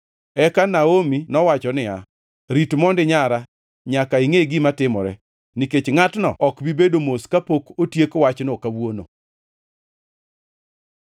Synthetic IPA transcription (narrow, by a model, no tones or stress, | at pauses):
ɛkanaominɔwat͡ʃɔnɪa | ɾitmɔndɪɲaɾa | ɲakaiŋeɡimatɪmɔ̰ɾɛ̰ | niket͡ʃŋatnɔ̰ɔkbibedomoskapokotjekwat͡ʃnokawwono̰